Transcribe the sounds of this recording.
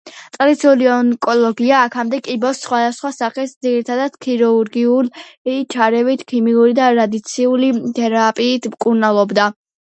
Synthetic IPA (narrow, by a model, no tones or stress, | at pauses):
t̪sʼlit̪sʰuliɔŋkʼɔlˠɔɡiaːkʰamd̪ɛkʼibɔsːχwad̪asχwasaχɛsd̪ziɾit̪ʰad̪ad̪̥kʰiɾuuɾɡiulit͡ʃʰaɾɛvit̪ʰkʰimiuɾid̪aɾad̪it̪sʰiulit̪ʰɛɾapʼiːt̪ʰmkʼuɾnalˠɔbd̪a